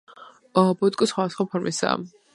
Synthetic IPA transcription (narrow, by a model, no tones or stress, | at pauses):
ɔbut̪ʼkʼisχwad̪asχwapʰɔɾmʔisa̰ː